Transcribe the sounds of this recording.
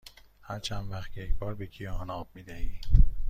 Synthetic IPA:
hæɾt͡ʃʰænvæχt̪̚kʰejecbɒːɾbekʰijɒnɒːb̚mid̪æhi̥ː

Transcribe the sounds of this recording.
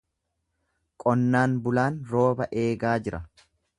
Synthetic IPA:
kʼɔnːaːnbʊlaːnɾo̞ːbɐʔe̞ːɡaːd͡ʒɪɾɐ

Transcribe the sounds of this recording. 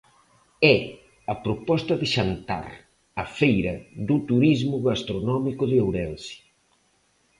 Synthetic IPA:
ɛ | ɐpɾopɔst̪ɐðɪʃant̪a̰ɾ | ɐfejɾɐ̰ðut̪uɾizmʊɣast̪ɾonɔmikʊðɪawɾɛnsi̥

